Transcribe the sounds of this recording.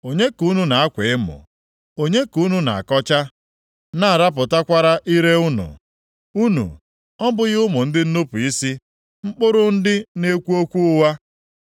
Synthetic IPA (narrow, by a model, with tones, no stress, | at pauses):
o˨ɲe˦ku˦nu˦na˨a˦kʷɪ˨ɪ˦mʊ̰˨ | o˨ɲe˦ku˦nu˦na̰˨a˨kɔ˦t͡ʃa˦ | na˦a˨ɾa˦p̬ʊ˨ta˦kʷa˦ɾa˦ʔi˦ɾe˦ʊ˦nʊ̰˨ | u˦nṵ˨ | ɔ˦bʊ˦ɣɪ˦ʊ˦mʊ˨n̩˦dɪ˦n̩˦nʊ˦pʊ˨i˦si˦ | ŋ͡m̩˦k͡pʊ˦ɾʊ˦n̩˦dɪ˦ne˦kʷu˦o˦kʷu˦ʊ˦wa˦